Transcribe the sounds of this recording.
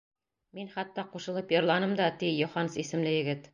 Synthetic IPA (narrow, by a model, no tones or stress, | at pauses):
minχɑt̪ːɑquʃɤ̆lˠɤpjɤ̆ɾlˠɑnɤmd̪ɑt̪ijŭχɑnsisɘ̆mlɘjɘ̆ɡɘt̪